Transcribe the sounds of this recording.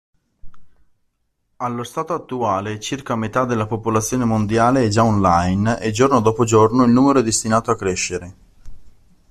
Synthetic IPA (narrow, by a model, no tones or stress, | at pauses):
alːost̪aːt̪oat̪ːuaːlet͡ʃirkamet̪ad̪elːapopolat̪sːjoːnemond̪jaːleɛd͡ʒaɔnlajnḛd͡ʒornod̪ɔːpod͡ʒornoilnuːmeɾoɛd̪est̪inaːt̪oakːɾeʃːeɾe